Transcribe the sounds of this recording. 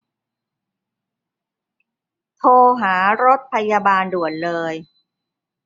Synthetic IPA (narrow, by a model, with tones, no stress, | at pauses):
t̪ʰoː˧ɦaː˩˦ɾo˦˥t̪̚pʰa˧jaː˧baː˧ndu˨˩ənlɤː˧j